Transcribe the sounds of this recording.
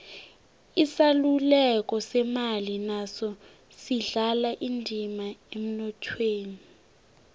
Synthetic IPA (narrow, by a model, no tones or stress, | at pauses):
isalulɛk̬ʼɔsɛmalinasɔ | siɮalaʔindʱimaem̩nɔtʰweːni